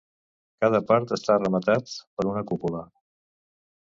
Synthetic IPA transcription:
kað̞əpaɾt̪əst̪arəmət̪at̪pəɾunəkupulə

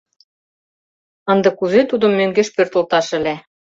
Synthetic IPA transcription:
ɑnd̪ɤ̆kuzet̪ud̪ɤ̆mːøŋɡeʃpørt̪ɤ̆lt̪ɑʃɘ̆læ

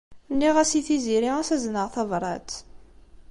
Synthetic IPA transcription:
nːiʁæsiθiziɾiæsæznəʁθɑvɾˤɑ̰t̪

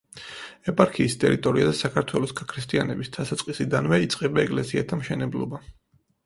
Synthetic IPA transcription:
ɛpʼaɾkʰiːst̪ʼɛɾit̪ʼɔɾiad̪asakʰaɾt̪ʰwɛlˠɔsɡakʰɾist̪ʼianɛbisd̪̥ʰasatsʼqʼisid̪anvɛit̪sʼqʼɛbaɛkʼlɛsiat̪ʰamʃɛnɛblˠɔ̰ba

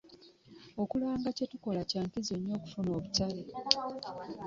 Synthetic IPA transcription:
o̞kulaːŋɡace̞tuko̞lacaːŋkizoɲːo̞ːku̥funo̞ːβutale

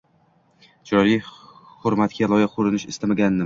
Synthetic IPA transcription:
d͡ʒʰɾɒjli | hʊɾmat̪kʲalˠɒjaqʰʊɾɪnɪʃɪ̰st̪amaɡʲanːɪ

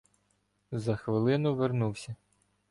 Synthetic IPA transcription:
zɐxʋɪlˠɪnʊʋernuwsʲɐ

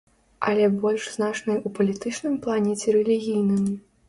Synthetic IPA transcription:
ɐlʲɛbɔlʲʂznat͡ʂnɐjupɐlʲit̪ɨt͡ʂnɨmplˠanʲɛt͡sʲɛɾɛlʲiɣʲijnɨm

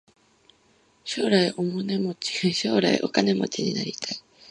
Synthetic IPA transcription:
ɕo̞ːɾaiʔomone̞mot͡ɕi̥ɕo̞ːɾaḭʔo̞̰kane̞mo̞̰t͡ɕiɲ̟ina̰ɾʲit̪ʰai

